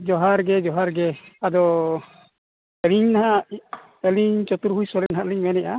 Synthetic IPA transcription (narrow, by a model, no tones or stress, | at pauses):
d͡ʒɔɦaɾɡɛd͡ʒɔɦaɾɡɛad̪ɔ | ɛliɲnaɦa | ɛliɲt͡ʃɔt̪uɾɦujsɔɾɛnaɦaʔliɲmɛnɛʔa̰